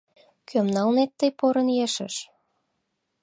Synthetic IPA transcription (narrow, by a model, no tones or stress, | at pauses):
kʰømnɑlnet̪ːəjpoɾə̆njeʃə̰̆ʃ